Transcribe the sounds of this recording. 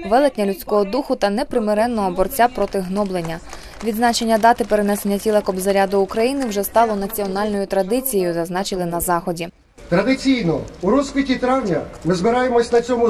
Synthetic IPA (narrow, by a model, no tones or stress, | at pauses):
ʋɛlˠɪkʲnʲɐlʲut͡sʲkɔɦɔd̪uxʊt̪ɐnɛpɾɪmeɾɛnːɔɦɔbɔrt͡sʲapɾɔt̪ɪɦnɔblˠe̞nʲːɐ | ʋʲid̪znɑt͡ʃe̞nʲːɐd̪ɑt̪ɪpeɾenɛsenʲːɐtʲilˠɐkɔbzɐɾʲad̪ʊːkɾɐjinɪwʒɛst̪ɑlˠɔnɐt͡sʲiɔnɑlʲnɔjʊt̪ɾɐd̪ɪt͡sʲijejʊzɐznɑt͡ʃɪlˠɪnɐzɑxɔdʲi | t̪ɾɐd̪ɪt͡sʲijnɔ̰uɾɔskʋʲitʲːit̪ɾɑwnʲɐmɪzbɪɾɑjemɔsʲnɐt͡sʲɔmʊ